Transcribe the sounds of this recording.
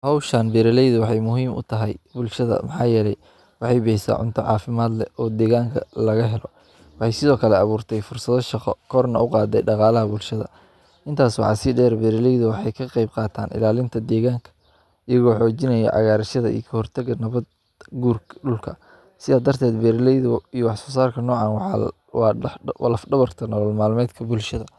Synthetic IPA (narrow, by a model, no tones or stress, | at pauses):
hɔwʃɐnbɛɾɛlɛjðʊwɑħɑjmʊɦiːmʊ̰t̪ʰɐɦɛjbʊlʃɐðɐ̰mɑħɑːjɛlɛj | wɑħɑjbɛjsa̰ːʕʊ̰nt̪ʰɔʕɑ̰ːfɪmaːd̪lɛɔːd̪ɛːɣaːŋkʰɐ̰lɐɣɐɦɛlɔ | wɑħɑjsɪðɔːkʰɐlɛɑβuːrt̪ʰɛjfʊrsɐðɔʃɑqɔ̰kʰɔrnɐ̰ʊqɑːd̪ɛ̰jɖɑqɑːlɐɦɐbʊlʃɐðɐ̰ | ʔɪnt̪ʰaːswɑ̰ʕɑsɪɖɛːɾbɛɾɪlɛjðʊwɑħɑjkʰɐqɑjb̚qɑːt̪ʰa̰ːnʔɪ̰laːlɪnt̪ʰɐd̪ɛːɣaːŋkʰɐ̥ | ɪjɐɣɔːħɔːt͡ʃɪnɐjɛ̰ʕɑ̰ɣaːɾɐʃɐðɐ̰ḭjkʰɐhɔrt̪ʰɐɣɐnɐβɐd̪ | ɡuːrɖʊlkʰɐ | sɪðaːd̪ɐrt̪ʰɛːd̪bɛɾlɛjðʊijwɑħsɔːsaːrkʰɐnɔːʕɑːnwɑɑ | wɑːwɐ̰lɐfɖɐβɐrt̪ʰɐnɔlɔlmaːlmɛːd̪kʰɐbʊlʃɐðɐ